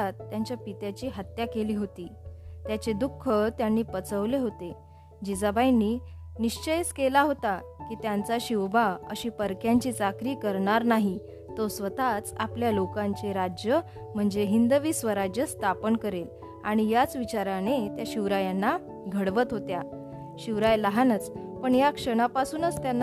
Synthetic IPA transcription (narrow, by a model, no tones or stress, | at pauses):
at̪ːjaɲt͡ɕjapit̪jat͡ɕiːɦat̪jakeliːɦot̪iːt̪jat͡ɕed̪ukʰːət̪janːiːpət͡səʋleɦot̪e | d͡ʑid͡zabajniːniɕt͡ɕəjskelaɦot̪a | kiːt̪jant͡saɕiʋbaəɕiːpəɾkjaɲt͡ɕiːt͡sakɾiːkəɾɳaɾnaɦi | t̪osʋət̪at͡sapljalokãɲt͡seɾad͡ʑjə | m̤əɳd͡zeɦind̪əʋiːsʋəɾad͡ʑjəst̪ʰapəɳkəɾel | aɽ̃ijat͡sʋit͡ɕaɾañet̪jaɕiʋɾajanːa | ɡʱəɽʋət̪ɦot̪ja | ɕiʋɾajləɦanət͡spəɳjakʂəɽ̃apasuːnət͡st̪janː